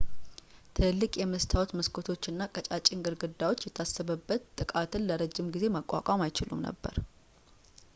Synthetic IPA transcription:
t̪ʰɨlːɨkʼjɛməst̪ʰawot̪məskʰot̪ʰo̞t͡ʃːɨnːakʼət͡ʃʼat͡ʃʼːiŋɡɨɾɡɨd̪ːawo̞t͡ʃːjɛt̪ʰasːəβəbːət̪ːʼɨkʼat̪ʰɨnləɾəd͡ʒːɪmɡize̞məkʷʼːa̰kʼamajt͡ʃɪlṵmnə̰bːə̰ɾ

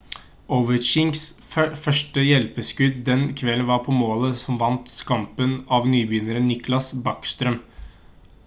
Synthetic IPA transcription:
ɔʋəɾʃɪŋɡsfœʂʈəjɛlpəskʉd̪̚d̪ɛnkʰʋɛlənʋɑɾpʰɔmoːləsɔmʋɑnt̪skɑmpənɑʋnyːbjʏnəɾənːɪklɑsbɑkst̪ɾœm

